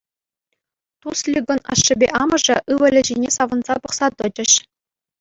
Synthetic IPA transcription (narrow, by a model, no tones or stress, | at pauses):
t̪uslʲiɡɤ̆nɑ̰ʂːɘ̆bʲeʔɑmɤ̆ʐɘ̆ʔɯʋɤ̆lʲɘ̆ʑinʲesɑʋɤ̆nzɑpɤ̆χsɑt̪ɤ̆d͡ʑɘ̆ɕ